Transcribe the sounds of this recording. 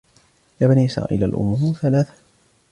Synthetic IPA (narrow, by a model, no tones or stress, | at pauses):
jaːbaniʔɪsɾɑ̰ːʔḭlalʔʊ̰muːθalaːθḁ